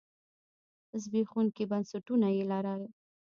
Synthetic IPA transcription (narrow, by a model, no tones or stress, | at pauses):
zbexunkibansaʈunajelaɾal